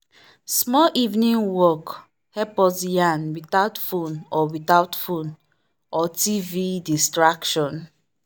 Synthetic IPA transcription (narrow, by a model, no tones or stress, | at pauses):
smɔʔivnĩŋwɔk | hɛpɔzjãnwitaʊtfũnɔwitaʊtfũn | ɔtividistɹakʃɔ̃n